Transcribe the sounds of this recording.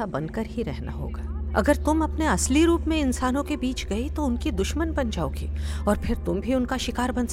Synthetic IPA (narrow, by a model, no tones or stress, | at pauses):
abɐ̃nkəɾɦiɾɛɦna̰ɦo̰ːɡaːɐ̰ɡəɾt̪ʊmɐpneɐsliɾuːpmẽɪnsaːnõkebiːt͡ʃɡɐit̪oʊnkid̪ʊʃmənbɐnd͡ʒaːo̰ːɡḭːɔːɾpʰɪɾt̪ʊmbʱiʊnkaʃɪkaːɾbɐ̃ns